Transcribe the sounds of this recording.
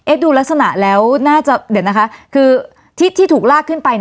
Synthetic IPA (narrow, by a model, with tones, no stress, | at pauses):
ʔe˦˥duː˧la˦˥k̚sa˧na˨˩ʔlɛː˦˥wnaː˥˩t͡ɕa˨˩d̪i˩˦na˦˥kʰa˦˥kʰɯː˧ | t̪ʰiː˦˥˩t̪ʰːiː˥˩t̪ʰuː˨˩k̚laː˥˩kʰːɯ˥˩npa˧jn